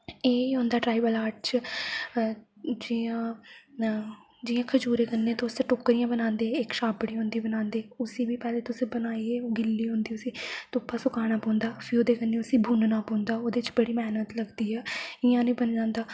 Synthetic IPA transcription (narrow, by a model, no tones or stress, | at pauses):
eːiːɦõːnd̪aːʈɾaːibəlaːɾʈ̚t͡ʃ | d͡ʒɪãː | d͡ʒɪːãːkʰəd͡ʒuːɾeːkənːeːt̪aʊst̪eʈʊkɾiːãːbənãːnd̪eːɪkʃaːbɽiːɦõːnd̪iːbənãːnd̪eːʊsĩːbiːpɛːleːt̪ʊsĩːbənaːiːeːoːɡɪlːiːɦõːnd̪iːʊsĩːt̪ʊpʰːaːsʊkaːɽ̃aːpɔ̃ːnd̪aːfʰioːd̪eːkənːẽːʊsĩːbʱuːnnaːpɔ̃ːnd̪aːoːd̪eːɪt͡ʃbəɽiːmɛːnət̪ləɡd̪iːɛːɪjãːnẽːbənd͡ʒãːnd̪aː